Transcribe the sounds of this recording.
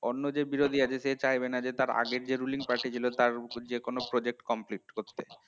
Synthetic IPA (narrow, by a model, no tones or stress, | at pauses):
onːod͡ʑebiɾod̪ʱiad͡ʑeset͡ɕajbenad͡ʑet̪aɾa̰ɡeɾd͡ʑeɾuliŋpaɾʈit͡ɕʰilot̪aɾd͡ʑekonopɾod͡ʑek̚ʈkɔmpliʈkoɾt̪ːe